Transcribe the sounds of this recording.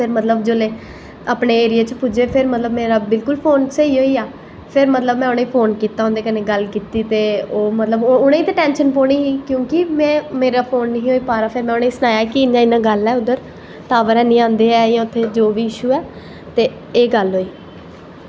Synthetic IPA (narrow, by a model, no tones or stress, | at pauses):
pʰɪɾmət̪ləbd͡ʒoːleː | aːpɳeːeːɾɪjaːt͡ʃpuːd͡ʒeːpʰɪɾmət̪ləbmeːɾaːbɪlkʊlpʰoːnsəiːɦoːiːaː | pʰɪɾmət̪ləbmɛ̃ːʊnẽːiːpʰoːnkiːt̪aɦõːnd̪eːkəneːɡəlkiːt̪iːt̪eːoːmət̪ləbʊɽ̃ẽːiːt̪eːʈɛ̃ːnʃənpoːɽiːɦiːkjõːkɪmɛ̃ːmeːɾaːpʰoːnːɦĩːɦoːiːpaːɾaːpʰɪɾmɛ̃ːʊnẽːĩːsənaːjaːkɪɪnãːɪnãːɡəlɛːʊd̪əɾ | t̪aːʋəɾɛːnĩːãːnd̪eːɛːjãːʊt̪ʰːeːd͡ʒoːʋiːɪʃuːɛː | t̪eː | eːɡəlɦoːiː